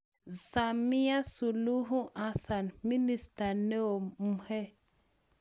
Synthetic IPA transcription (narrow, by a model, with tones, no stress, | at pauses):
za˨mi˦ja˦su˨lu˦ɦũ˦ʔa˦sa˨nmi˦ni˦sta˨ne˦o˨mu˨he˦